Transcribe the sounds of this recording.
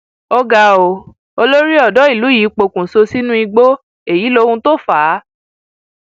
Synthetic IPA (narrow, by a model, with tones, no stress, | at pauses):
ɔ˧ɡa˧˨o˨ | o˧lo˦ɾi˦ɔ˦˨dɔ˨˦i˦˨lu˨˦jiː˨˦k͡po˧˨kũ˨so˧si˦nũ˦i˧ɡ͡bo˦ | e˨ji˨˦lo˧hũ˧to˦˨faː˨˦